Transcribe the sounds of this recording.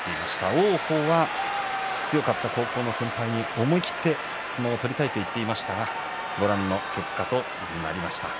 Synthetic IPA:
t̪ːe̞imaɕi̥t̪aoːho̞ːβa | t͡sɨjo̞kat̪ːako̞ːko̞ːno̞sẽ̞mpaiɲ̟io̞mo̞ikʲi̥t̪ːe̞ | sɨmaot̪o̞ɾʲit̪ait̪o̞it̪ːe̞imaɕi̥t̪aɡa | ɡo̞ɾãnːo̞kʲe̞kːat̪o̞d͡ʑibɯ̟̃ŋɡa̰aɾʲimaɕi̥t̪a̰

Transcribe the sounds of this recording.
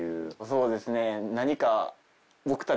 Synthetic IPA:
ɯːso̞ːd̪e̞sɨne̞naɲ̟ika | bo̞kɯ̟̥t̪a

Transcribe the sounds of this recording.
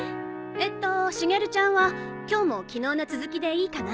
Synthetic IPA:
et̪ːo̞ɕiŋe̞ɾɯ̟t͡ɕãɰ̃βa | kʲo̞ːmo̞kʲino̞ːnat͡sɨzɨkʲid̪e̞iːkana

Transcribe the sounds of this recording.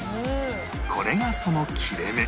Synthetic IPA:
o | so̰ɾe̞ɡaso̞no̞kʲʰiɾeme

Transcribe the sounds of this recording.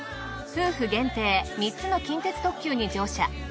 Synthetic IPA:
sɨːɸɯ̟ɡẽ̞nt̪e̞ːmʲitt͡sɨno̞kʲĩnt̪e̞t͡sɨ̥t̪o̞kkʲɨːɲ̟id͡ʑo̞ːɕa̰

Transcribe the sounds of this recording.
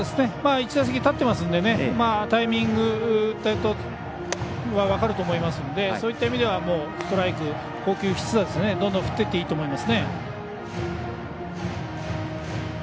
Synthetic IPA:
od̪esɨne̞maːit͡ɕid̪as̬ekʲit̪at̪ːe̞masɨ̃nd̪e̞ne̞maːt̪aimʲĩŋɡɯ̟t̪ot̪o | βaβakaɾɯ̟t̪o̞ːmo̞imasɨ̃nod̪e̞so̞ːit̪ːaimʲid̪e̞βamo̞̥ːt̪o̞ɾaikɯ̟ | ko̞ːkʲɨːçi̥t͡sɨd̪ad̪esne̞d̪õnd̪õɸɯ̥t̪ːe̞t̪ːe̞iːt̪oːmo̞imasɨne̞

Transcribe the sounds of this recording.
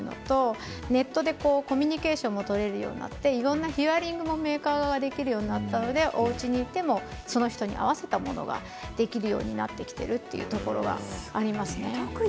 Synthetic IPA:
ɯno̞̰t̪o̞ne̞t̪ːo̞d̪e̞ko̞ːko̞mʲiɲ̟ike̞ːɕõ̞mːo̞t̪o̞ɾe̞ɾɯ̟jo̰ːɲ̟ḭna̰t̪ːe̞iɾõ̞nːaçiaɾʲĩŋɡɯ̟mo̞me̞ːkaːɡaɡad̪e̞kʲiɾɯ̟jo̞ːɲ̟inat̪ːano̞d̪e̞ʔo̞ɯt͡ɕiɲ̟iːt̪ːe̞mo̞ | so̞no̞çi̥t̪o̞ɲ̟ḭʔa̰βase̞̥t̪amo̞̰no̞̰ɡa̰ | d̪̥e̞kʲiɾɯ̟jo̞̰ːɲ̟ina̰t̪ːe̞kʲi̥t̪e̞̰ɾɯ̟t̪ːe̞̰jɯ̰ːt̪oko̞ɾo̞̰ɡa̰ːɾʲimasɨne̞

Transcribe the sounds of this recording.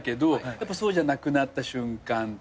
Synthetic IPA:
ked̪ojapːasoːd͡ʒanakɯ̟nat̪ːaɕɯŋkan

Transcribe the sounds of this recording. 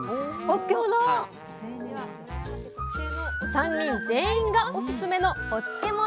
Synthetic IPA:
ot͡sɨ̥kemono | seneβa | sãɲ̟ːĩnd͡zẽ̞ɰ̃ĩŋɡaʔosɨsɨme̞no̞ːt͡sɨ̥kʲe̞mo

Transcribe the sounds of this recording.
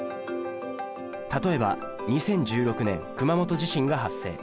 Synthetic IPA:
t̪at̪o̞e̞ba̰ | ɲ̟isẽ̞ɲ̟d͡ʑɨːɾo̞kɯ̟nẽ̞ŋkɯ̟mamo̞t̪o̞ʑiɕĩŋɡaɦasːe̞̰ː

